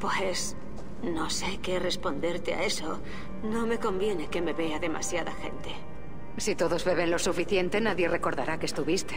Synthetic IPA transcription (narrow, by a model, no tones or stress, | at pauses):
pwe̞s | no̞se̞kere̞spo̞nd̪eɾt̪ea̰e̞so | no̞me̞ko̞mbje̞ne̞ke̞me̞βe̞aðe̞ma̰sjaða̰xe̞̰nt̪e̞̥ | sit̪o̞ðo̞zβe̞βe̞nlo̞sufiθje̞nt̪e̞naðje̞re̞ko̞ɾðaɾakest̪uβist̪e̞̥